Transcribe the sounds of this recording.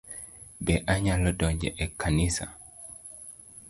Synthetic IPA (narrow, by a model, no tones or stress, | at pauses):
bɛʔaɲalɔdɔɲd͡ʒɛ̰ʔɛkʰːanisa̰